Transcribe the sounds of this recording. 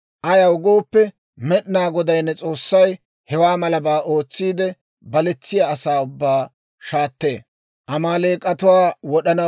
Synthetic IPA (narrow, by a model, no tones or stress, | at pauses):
ʔɐjɐwʊɡo̞ːpːɛ | mɛɗɪnaːɡɔd̪ɐjnːɛt͡sʼo̞ːsːɐj | hɛwaːmɐlɐbaːʔo̞ːt͡sːiːd̪ɛ | bɐlɛt͡sːɪjaːsaːʊbːaː | ʃaːt̪ːe̞̰ː | ʔɐmaːleːkʼɐt̪ʊwaːwɔɗɐnɐ